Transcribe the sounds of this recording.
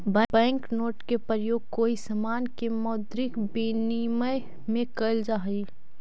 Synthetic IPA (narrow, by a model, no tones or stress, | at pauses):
bəbɛ̃ːŋknoːʈkepɾəjoːɡ̚koːisəmaːnkemɔːd̪ɾɪkbiniməj | mẽkəld͡ʒaːɦi